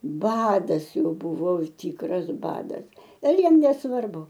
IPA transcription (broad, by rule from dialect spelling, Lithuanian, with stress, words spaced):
ˈbɑːdɐs ˈjɛʊ ˈbʊʋoː ˈtʲiːkrɐs ˈbɑːdɐs ɪr ˈjiɛm nʲɛsˈʋɐrbʊ